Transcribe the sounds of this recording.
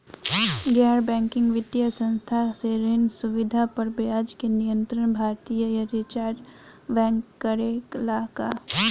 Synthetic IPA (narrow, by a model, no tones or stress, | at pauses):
ɡɛːɾbɛ̃ːŋkɪ̃ŋɡʋɪd̪jəsə̃nst̪ʰaseɾɪnsʊʋɪd̪ʱapɐɾbjaːd͡ʒkenijə̃nt̪ɾəɳ̃bʱaːɾt̪ijəjəɾɪt͡ʃaːɾɾ | ʋɛ̃ːŋkːəɾeːklaːka